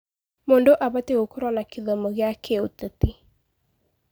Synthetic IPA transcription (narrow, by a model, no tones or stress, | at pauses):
moːndoʔaβateɣokoɾwanakeðɔmɔɣjakeoteti